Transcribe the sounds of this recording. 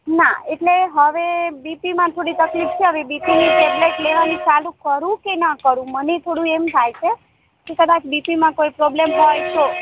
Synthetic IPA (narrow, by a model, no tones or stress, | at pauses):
na̰eʈleɦəʋebipimãt̪ʰoɽit̪əklift͡ʃʰeɦəʋebipiniʈebleʈleʋanĩt͡ʃalũkəɾũkenakəɾũmənet̪ʰoɽũemt̪ʰajt͡ʃʰe | k̪ekəd̪at͡ʃbipimãkojpɾoblemɦɔjt͡ʃʰo